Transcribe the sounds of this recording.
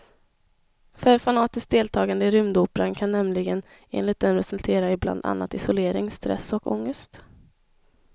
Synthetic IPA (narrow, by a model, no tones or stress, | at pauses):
fœɾfanɑːt̪ɪsk̚d̪eːlt̪ʰɑːɡand̪əɪɾʏmd̪uːpəɾankʰanːɛmlɪɡən | ḛːnlɪt̪̚d̪ɛnpɾɛsɵlt̪ʰeːɾaɪbla̰nd̪a̰nːa̰t̪ɪsʊleːɾɪŋst̪ɾɛ̰sɔkɔ̰ŋːəst̪